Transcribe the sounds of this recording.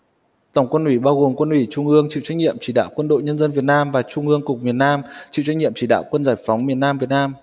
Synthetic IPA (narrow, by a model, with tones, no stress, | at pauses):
t̪ə˧˩wŋ͡mkwə˧nʔwi˧˩ɓaː˧wɣo˨˩mkwə˧nʔwi˧˩t͡ɕʊ˧ŋ͡mʔɨ˧əŋt͡ɕḭ˧˨wt͡ɕa˧jŋ̚ɲḭ˧˨əmt͡ɕi˧˩ɗa̰ː˧˨wkwə˧nɗo̰˧˨jɲə˧nzə˧nvi˨˩ət̚naː˧mvaː˨˩t͡ɕʊ˧ŋ͡mŋʔɨ˧əŋkʊ˨˩k͡p̚mi˨˩ənaː˧mt͡ɕḭ˧˨wt͡ɕa˧jŋ̟ɲḭ˧˨əmt͡ɕi˧˩ɗa̰ː˧˨wkwə˧nzaː˧˩jfɔ˨˦wŋ͡mmi˨˩ənaː˧mvi˨˩ət̚naː˧m